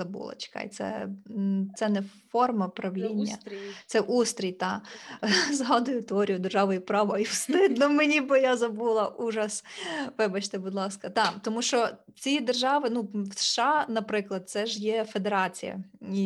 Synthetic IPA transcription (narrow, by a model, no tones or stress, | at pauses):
ɐbṵlˠɐ̰t͡ʃɪ̥kɑ̰jt̪sɛ̰ | t̪sɛnɛfɔrmɐpɾɐʋlʲinʲːɐ̰t̪sɛʔust̪ɾʲijt̪ɑ | zɦɑd̪ʊjʊt̪eɔɾʲijʊd̪erʒɑʋɔjipɾɑʋɔiwst̪ɪd̪nɔmenʲibɪjazɐbulˠɐʔuʒɐsʋɪbɐt͡ʃt̪ɪbʊd̪lˠɑskɐt̪ɑt̪ɔmuʃt͡ʃɔt͡sʲid̪erʒɑʋɪnuwsʃɑnɐpɾɪklˠɐd̪̚t̪sɛʒjɛfed̪eɾɑt͡sʲḭjɐ̰i